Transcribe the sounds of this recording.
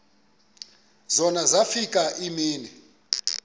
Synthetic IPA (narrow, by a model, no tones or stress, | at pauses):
zɔnazafikaʔimiːnɛ